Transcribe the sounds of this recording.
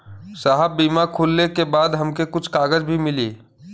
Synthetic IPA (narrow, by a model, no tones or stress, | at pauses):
saɦəbːiːmakʰuːlnekebaːd̪ɦɐmkekʊt͡ʃʰkaːɡəd͡ʒbʱimɪliː